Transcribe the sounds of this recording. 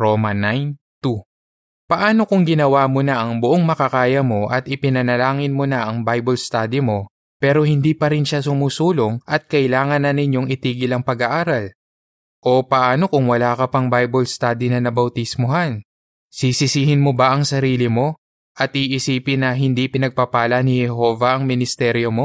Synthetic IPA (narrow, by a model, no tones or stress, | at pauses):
ɾomɐnajn | t̪u | pɐʔaːno̞kʊŋɡɪnɐwaːmo̞nɐʔɐŋbʊʔoŋmɐkɐkaːjɐmo̞ʔɐt̪ɪpɪnɐnɐlaːŋɪnmo̞nɐʔɐŋbajbolst̪aːd̪imo̞ | pɛːɾo̞hɪnd̪iːpɐɾɪnʃasʊmuːsuːlo̞ŋʔɐt̪̚kɐʔɪlaːŋɐnːɐnɪɲo̞ŋɪt̪iːɡɪlɐŋpɐɡɐʔaːɾɐl | ʔo̞pɐʔaːno̞kʊŋwɐlaːkɐpɐŋbajbolst̪aːd̪inɐnɐbɐwt̪ɪsmoɦan | sisɪsiːhɪnmo̞bɐʔɐŋsɐɾiːlɪmo̞ | ʔɐt̪ʔiːʔɪsiːpɪnːɐɦɪnd̪ipɪnɐɡ̚papaːlɐnɪhɛɦo̞ːvɐʔɐŋmɪnɪst̪ɛɾjo̞mo̞